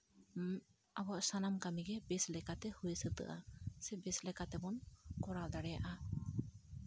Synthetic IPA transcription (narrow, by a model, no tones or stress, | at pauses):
abɔʔsanamkamiɡɛbɛslɛkat̪ɛhujesət̪ɯ̰ʔa̰sɛbɛslɛkat̪ɛbɔnkɔɾald̪aɽɛja̰ʔa